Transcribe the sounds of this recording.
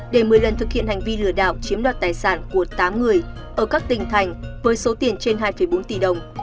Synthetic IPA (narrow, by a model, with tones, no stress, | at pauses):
ɗe˧˩mɨ˨˩əjlə˨˩nt̪ʰɨ˨˩k̚hḭ˧˨ənha˨˩jŋ̟vi˧lɨ˧˩əɗa̰ː˧˩wt͡ɕi˨˦mɗwaː˨˩t̚t̪aː˨˩jsaː˧˩nku˧˩ət̪aː˨˦mŋɨ˨˩əj | ʔəː˧˩kaː˦˥k̚t̪ï˨˩ŋ̟t̪ʰa˨˩jŋ̟vəː˨˦jso˨˦t̪i˧˩ənt͡ɕe˧nɦaː˧jfə˧˩jɓo˨˦nt̪i˧˩ɗə˨˩wŋ͡m